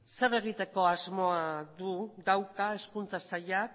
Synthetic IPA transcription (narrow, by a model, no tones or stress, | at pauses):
se̞re̞ɣ̞it̪e̞ko̞azmo̞aðuðawkae̞skunt͡sasaʎa